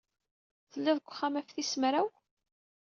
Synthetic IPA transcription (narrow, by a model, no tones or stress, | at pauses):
θəlːæðəɡʷːχːamæfθismɾæw